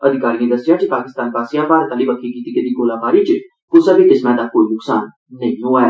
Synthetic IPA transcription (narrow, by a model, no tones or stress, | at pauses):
ɐd̪ʱɪkaːɾijẽd̪əst̪jãt͡ʃipaːkɪst̪aːnbaːsijãbaːɾət̪ãlibɐkʰikiːt̪ikəd̪iɡoːlãbaːɾit͡ʃ | kʊsəbet̪ɪsmãd̪akoːinʊksaːnː | ɐ̃ɦĩnõaːe